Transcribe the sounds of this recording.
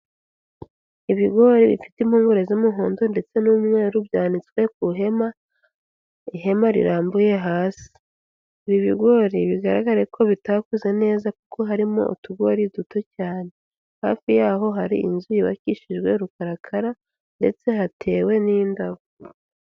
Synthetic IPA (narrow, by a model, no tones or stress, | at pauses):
iβiɡo̞ɾiβḭfi̥timuːŋɡoɾezimuɦoːndonde̞t͡se̞numŋe̞ːɾubɟaːnit͡swe̞kuɦe̞ma | iɦe̞maɾḭɾaːmbuje̞ɦaːsi̥ | iβiβiɡo̞ɾiβiɡaɾa̰ɡaɾekʰo̞βitakuze̞ne̞ːzakukʰo̞ɦaɾimo̰ʔṵtuɡo̞ɾiduto̞caːne̞ | ha̰ːfijaːɦo̞ɦaɾḭḭnzujiβa̰ciʃiʒɡwe̞ɾukaɾakʰaɾa | nde̞̰t͡se̞hatʰe̞ːwe̞niːndaβo